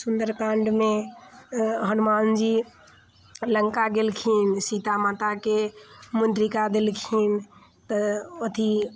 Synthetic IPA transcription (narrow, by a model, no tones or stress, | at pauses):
sund̪əɾkãɳɖmẽ | ɦənmaːnd͡ʒi | ləŋkaɡelkʰiːnsit̪amaːt̪akemund̪ɾikad̪elkʰiːn | t̪əot̪ʰi